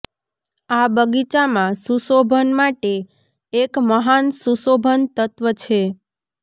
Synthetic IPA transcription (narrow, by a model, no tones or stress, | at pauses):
abəɡit͡ʃamãsusobʱənmaʈeː | kməɦansusobʱənt̪ət̪ʋət͡ʃʰe